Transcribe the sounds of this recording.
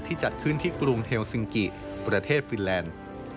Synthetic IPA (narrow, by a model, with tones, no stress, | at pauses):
t̪ʰːiː˥˩t͡ɕa˨˩t̪̚kʰɯ˥˩nt̪ʰiː˥˩kɾu˧ŋhʰeː˧wsi˧ŋki˨˩ | pɾa˧t̪ʰeː˥˩t̪̚fi˧nlɛː˧n